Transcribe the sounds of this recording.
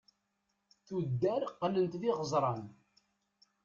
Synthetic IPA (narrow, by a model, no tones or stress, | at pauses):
θud̪ːæɾqːlənt̪ðiʁəzˤɾˤɑn